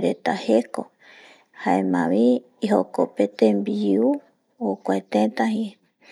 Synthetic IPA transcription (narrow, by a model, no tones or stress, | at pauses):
ɾet̪aheko | haemã̰ʋiː | ɦokopet̪ẽmbiu | okʷaet̪et̪ãhĩe